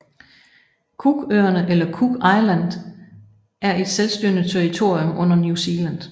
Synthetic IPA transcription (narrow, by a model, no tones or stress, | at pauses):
kʰuɡ̥øːɐnəʔelɐkʰuɡ̥ɑ̈ɪlænd̥ | ʔæɐe̝d̥selsd̥yɐnət͡sʰeɐit͡sʰo̝ɐ̰iomʔɔ̽n̰ɐnjusilæn̰d̥